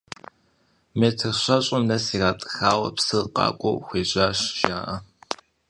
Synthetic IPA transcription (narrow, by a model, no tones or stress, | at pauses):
meːtʰɨrɕʷɐɕʼɐmnɐsiːraːtʼɨ̥xaːwɐ̰psɨqɑ̰ːkʷʼo̰wxʷeːʑʼaːɕʒaːʔɐ